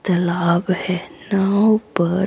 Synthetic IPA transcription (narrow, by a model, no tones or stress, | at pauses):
t̪əlaːbhɛnaupə